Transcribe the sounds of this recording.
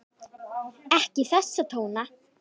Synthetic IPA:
ɛhcɪθɛsːat̪ʰoːwna

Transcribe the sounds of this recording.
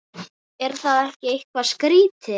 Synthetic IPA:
ɛɾ̥θaðɛhcɪejhkvaskɾiːt̪ɪ

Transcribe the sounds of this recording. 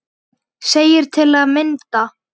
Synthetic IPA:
seːjɪɾ̥t̪ʰɪlaðmɪnt̪a

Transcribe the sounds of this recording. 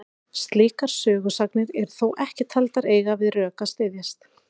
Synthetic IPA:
st̪liːkaɾ̥sœːɣʏsaknɪɾɛɾ̥θowʔɛhcɪt̪ʰalt̪aɾeːjɣavɪðrœːkast̪ɪːðjast̪

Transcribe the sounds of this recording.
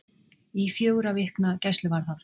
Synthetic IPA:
ifjoːwɣɾavɪhknacɛst̪lʏvaɾ̥θaθ

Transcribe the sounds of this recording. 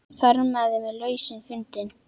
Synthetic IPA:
θœɾmaðɪmɪðlœːɥsɪnfʏnt̪ɪn

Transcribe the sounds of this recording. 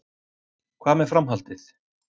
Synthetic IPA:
kʰvaːmɛ̥fɾamɦalt̪ɪθ

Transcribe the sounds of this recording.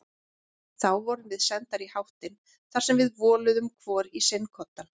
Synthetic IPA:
θawvɔɾʏnvɪðsɛnt̪aɾihawht̪ɪn | θḁsɛmvɪðvɔːlʏðʏmkʰvɔːɾisenkʰɔt̪ːan

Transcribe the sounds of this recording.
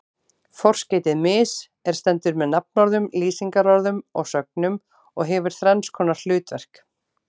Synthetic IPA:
fɔr̥sceːjt̪ɪðmɪːs | ɛɾ̥st̪ɛnt̪ʏɾmɛðnapnɔɾðʏmliːsiŋkaɾɔɾðʏmɔɣsœk̚nʏm | ɔɣɦɛvʏɾ̥θɾɛnskʰɔːnḁl̥ʏːt̪vɛr̥k

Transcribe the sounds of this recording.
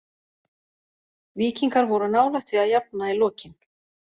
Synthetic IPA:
viːciŋkaɾvɔɾʏnaːwlɛxt̪viaðjap̚nailɔːcɪn

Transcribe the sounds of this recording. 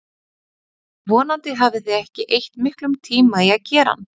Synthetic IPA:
vɔːnant̪ɪɦavðɪθɪɛhcɪʔejht̪mɪhklʏmt̪ʰiːmaiaðcɛːɾa̰n

